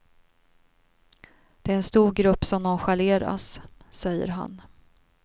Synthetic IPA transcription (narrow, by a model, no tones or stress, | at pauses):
d̪̥ɛæːɾɛnst̪uːɾɡɾɵpːsɔmnɔnɧaleːɾa̰ssɛjːə̰ɾɦa̰n